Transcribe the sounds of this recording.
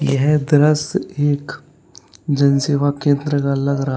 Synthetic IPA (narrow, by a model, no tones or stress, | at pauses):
jəɦɛd̪ɾəseːk | d͡ʒɐnseːʋakẽːnd̪ɾəkaɐləɡɾɐɦ